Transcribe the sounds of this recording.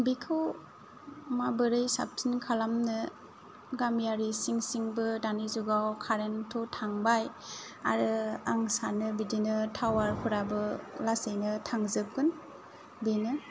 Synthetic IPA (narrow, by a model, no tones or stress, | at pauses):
bikʰɯw | mabɯɾɯjsa̰p̚tʰinkʰalamnɯ | ɡamjaɾisiŋsiŋbɯdanizuɡawkʰaɾentʰɔtʰaŋbaj | a̰ɾɯaŋsanɯbidinɯtʰawaɾhʰuɾabɯlasejnɯtʰaŋzɯp̚ɡɯn | binɯ